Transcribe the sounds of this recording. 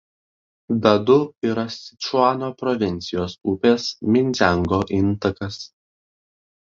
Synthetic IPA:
d̪ɐd̪ʊiːɾɐsʲɪt͡ʃʊɑːnoːpɾɔʋʲɪnʲt̪sʲɪjoːsuːpʲeːsmʲɪnʲzʲæˑŋɡoːʔɪnˑt̪ɐkɐs

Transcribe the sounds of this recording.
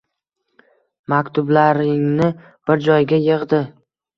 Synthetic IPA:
makʲt̪ʰʊblaɾɪŋnɪ | b̥ɪɾd͡ʒɒjɡʲajɨʁd̪ɪ

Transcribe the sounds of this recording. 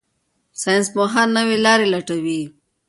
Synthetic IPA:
sɑjnsmoɦannəwelɑɾelaʈawi

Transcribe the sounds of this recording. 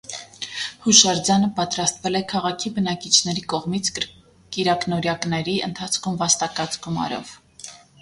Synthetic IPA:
huʃɑɾd͡zɑnəpɑt̪ɾɑst̪vɛlɛkʰɑʁɑkʰibənɑkit͡ʃʰnɛɾikɔʁmit͡sʰ | kiɾɑknɔɾjɑknɛɾiə̰nt̪ʰɑt͡sʰkʰumvɑst̪ɑkɑt͡sɡumɑ̰ɾɔ̰v̥

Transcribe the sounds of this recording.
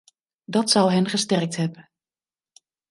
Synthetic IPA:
dɑtsɑwɦɛnχəstɛrk̚tɦɛpə

